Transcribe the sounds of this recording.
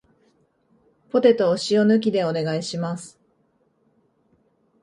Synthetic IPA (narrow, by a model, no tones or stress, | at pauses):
po̞t̪e̞t̪o̞ːɕio̞nɯ̟k̬ʲid̪e̞o̞ne̞ɡaiɕimasɨ̥